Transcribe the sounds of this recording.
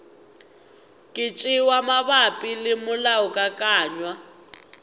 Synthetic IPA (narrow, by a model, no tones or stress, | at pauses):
kʼɪt͡ʃʼɪwamaβapʼilɪmʊlaʊkʼakʼaːɲwa